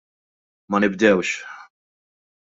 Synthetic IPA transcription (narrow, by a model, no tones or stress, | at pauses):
mɐnɪbd̪ɛwʃ